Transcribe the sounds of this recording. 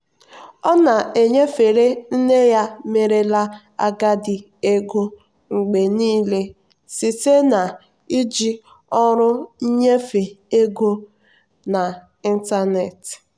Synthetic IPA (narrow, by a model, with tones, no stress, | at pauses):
ɔ˦na˨e˨ɲe˦fe˨ɾe˦n̩˦ne˦ja˦me˨ɾe˦la˦ | a̰˦ɡa˦dɪ˨ | e˦ɡo˦ | ŋ͡m̩˨ɡ͡be˨niː˦le˦ | si˨se˦na˨ | i˦d͡ʒi˦ | ɔ˦ɾʊ˦i˦ɲe˦fe˨e˦ɡo˦ | na˨ | i˦n̩˦ta˦ne˨t